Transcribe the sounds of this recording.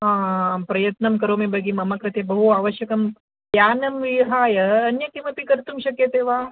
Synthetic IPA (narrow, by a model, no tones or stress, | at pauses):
ɦãːpɾɐjɐt̪nɐmkɐɾomebʱɐɡiːmɐmakɾɐt̪ebəɦuaːʋəɕjɐkɐm | janɐmʋiɦaːjɐːnjɐkimap̪ikɐɾt̪uːmɕɐkjet̪eʋa